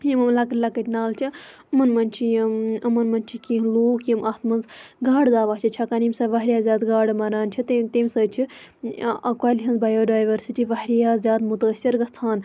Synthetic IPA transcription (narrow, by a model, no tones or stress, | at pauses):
jimɐmlɐkɐlɐkəʈʲnaːlt͡ʃʰi | ɐmɐnmɐnʲt͡ʃʰijimɐmɐnmɐnt͡ʃʰikiloːkjimʔɐt̪mɐnzɡaːɽd̪aːʋaːt͡ʃʰit͡ʃʰɐkanimʲsɐʋɐɦɾʲijaːzʲaːd̪ɡaːɽɨmɐɾaːnt͡ʃʰit̪t̪emsəːt͡ʃʰi | ɐkwaːliɦɐnzbaːjoːɖaːjʋɐɾsiʈiʋɐɦɾijaːzʲaːd̪mut̪əːsʲiɾɡɐt͡sʰaːn